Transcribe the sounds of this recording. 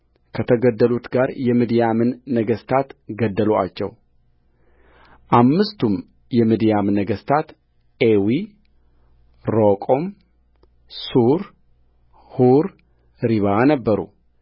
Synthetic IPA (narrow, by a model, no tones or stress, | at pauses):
kʰət̪ʰəɡəd̪ːəlut̪ɡaɾjɛmid̪ijamɨnːəɡəst̪ʰat̪ɡəd̪ːəloa̰t͡ʃːɛ̰w | ʔamːɨst̪ʰum | jɛmid̪ijamnəɡəst̪ʰat̪ | ewi | ɾokʼom | suɾ | huɾ | ɾiβanəbːəɾṵ